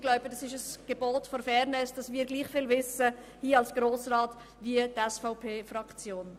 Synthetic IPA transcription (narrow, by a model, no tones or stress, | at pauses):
ɡ̥laʊb̥ədɑsɪʃəsɡ̥eboːtfɔɾfɛɾnɛsd̥ɑsvmiːɾɡliːχfɪːlvɪsə | hiːɑlsɡ̥ɾoːsraːt | viətɛsfaʊpʰeːfrɑkt͡sjoːn